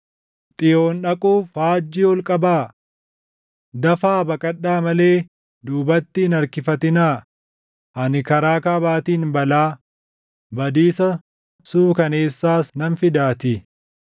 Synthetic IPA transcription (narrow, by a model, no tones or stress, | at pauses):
t̪ʼɪjo̞ːnᶑɐkʼuːfhaːd͡ʒːiːɔlkʼɐbaː | d̪ɐfaːbɐkʼɐɗːaːmɐle̞ː | d̪uːbɐt̪ːɪːnɐɾkɪfɐt̪ɪnaː | ʔɐnɪkɐɾaːkaːbaːt̪iːnbɐlaː | bɐd̪iːsɐ | suːkɐne̞ːsːaːsnɐnfɪd̪aːt̪ɪ